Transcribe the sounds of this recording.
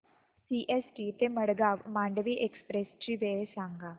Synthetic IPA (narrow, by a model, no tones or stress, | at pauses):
siːʔɛːsʈiːt̪eməɽɡaːʋmãːɳɖʋiʔekspɾeːst͡ʃiːʋeːesãːŋɡaː